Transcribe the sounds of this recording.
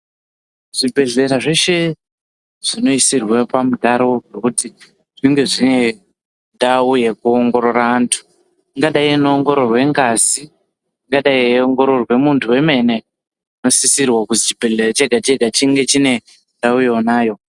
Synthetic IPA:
ʐ̥ibʱe̞ɮe̞ɾaʐe̞ʃe̞ | ʐ̥ino̞isirwepamudʱaɾo̞ɡekuti | ʐ̥iŋɡe̞ʐie | ndaujekuoŋɡo̞ɾo̞raːntʰu̥ | ŋɡaɗainuoŋɡo̞ɾorwe̞ŋɡazi | ŋɡaɗaioŋɡo̞ɾo̞rwe̞muntʰuwe̞me̞ne̞ | uno̞sisirwakuzit͡ʃibʱe̞ɮerat͡ʃeɡʱat͡ʃeɡʱat͡ʃiŋɡe̞t͡ʃine̞ | ndaujenaːjo̞

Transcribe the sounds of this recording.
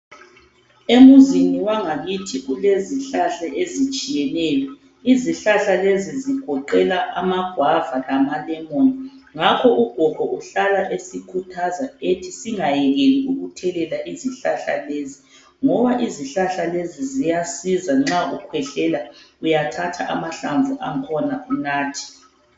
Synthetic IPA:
emuziniwaŋaɣitʰiɣuleziɬaɬaʔezit͡ʃʼijɛnɛːjɔ | iziɬaɬaleziziɡ̥ʱɔǃɛlaʔamaɡ̥ʱwavalamalɛmoniŋakʰɔʔuɡ̥ʱɔkɔʔuɬalaʔesikʰutʰazaetʰisiŋajɛɣeliuɣutʰɛlɛlaʔiziɬaɬa̰lezi | ŋɔβaʔiziɬaɬalezizijasizaŋ͡ǁaukʰwɛɬɛlaujatʰatʰa̰ʔa̰maɬaɱvuʔaŋkʰɔnaunaːtʰi̥

